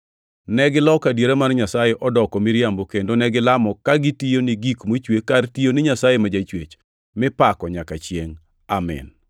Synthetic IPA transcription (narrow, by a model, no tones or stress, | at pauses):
nɛɡɪlɔkadjeɾamanɲasajeʔɔdɔkɔmiɾjambokendonɛɡɪlamɔkaɡɪtijoniɡikmot͡ʃwekːartijonɪɲasajemad͡ʒat͡ʃwet͡ʃ | mɪpakɔɲakat͡ʃjeŋ | amɛ̰n